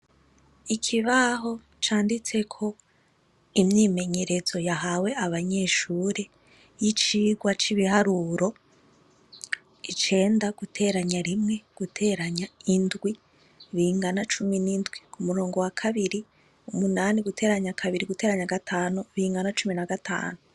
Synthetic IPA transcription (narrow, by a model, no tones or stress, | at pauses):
ikʰiβaɦo̞ | t͡ʃaːndit͡se̞kʰo̞ | imɲiːme̞ɲe̞ɾe̞zo̞jaɦawe̞aβaɲe̞ːʃuːɾe | jit͡ʃiːɡwat͡ʃiβihaɾuɾo̞ | it͡ʃe̞ːndaɡ̥utʰe̞ːɾaɲaɾimŋe̞ɡ̥utʰe̞ːɾaɲaindɡwi | βiːŋɡanat͡ʃuminindɡwikumuɾo̞ːŋɡo̞wakʰaβiɾi | umunaːniɡutʰe̞ːɾaɲakʰaβiɾiɡute̞ːɾaɲaɡatʰaːnuβiiːŋɡanat͡ʃuminaɡatʰa̰ːnu